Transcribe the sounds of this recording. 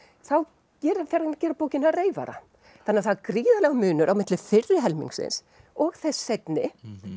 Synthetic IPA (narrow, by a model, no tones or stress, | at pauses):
θaw | cɛːɾfɛɾncɛːɾapoːwcɪnareːjva̰ɾa̰ | θanɪaθaðkɾiːðalɛːɣamʏːnʏɾʔawmɪt̪lɪfɪrːɪɦɛlmḭŋksɪ̰ns | ɔɣθɛsːɛjt̪nɪ